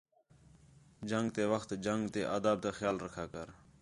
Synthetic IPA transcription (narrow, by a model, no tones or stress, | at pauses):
d͡ʒəŋɡt̪eːʋəxt̪d͡ʒəŋɡt̪eːʔaːd̪aːb̚t̪eːxjaːlɾəkʰaːkəɾ